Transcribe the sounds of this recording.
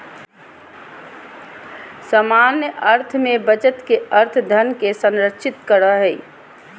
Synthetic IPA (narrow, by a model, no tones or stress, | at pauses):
səmaːnjəʔəɾt̪ʰmẽbət͡ʃət̪keəɾt̪ʰd̪ʱənkesə̃nɾəkʃʰɪt̪kəɾaɦɛḭ